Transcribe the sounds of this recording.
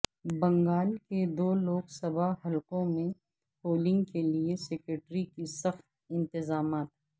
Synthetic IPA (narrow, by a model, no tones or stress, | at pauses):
bɐ̃ŋɡaːlked̪oːloːksɐbaɦɐlkõmẽ | poːlɪ̃ŋɡkeliesɛːkɾəʈɾikisɐxt̪̚ | ɪ̃nt̪ɪzaːmaːt̪ɦ